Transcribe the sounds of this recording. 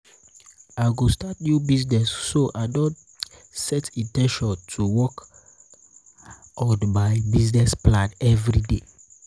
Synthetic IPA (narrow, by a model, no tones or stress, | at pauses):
aɪɡostatnjubiznɛsːoʔadɔ̃n | sɛtĩntɛ̃nʃɔ̃ntʰuwɔk | ɔdbaɪbiznɛsplãnɛvɾide